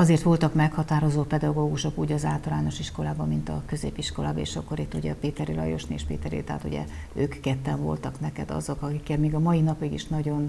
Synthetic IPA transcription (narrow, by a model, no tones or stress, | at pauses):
ɒzeːrt̪ʋo̞lt̪ɒkmɛkhɒt̪aːɾo̞zoːpɛd̪ɒɡoːɡuʃo̞kuːɟɒzaːlt̪ɒlaːno̞ʃiʃko̞laːbɒmːint̪ɒ̰køzḛːpiʃko̞la̰ːbɒḛːʃɒ̰kːoɾit̪ːuɟɛ̰ɒpeːt̪ɛɾilɒ̰jo̞̰ʃnḛːʃpḛːt̪ɛɾḭt̪ɛ̰ɦːt̪ṵɟɛ̰ | øːkːɛt̪ːɛɱvo̞̰lt̪ɒknɛkɛd̪ɒ̰zo̞kɒkikːɛnmiːɡɒmɒinɒpiɡḭʃnɒɟo̞n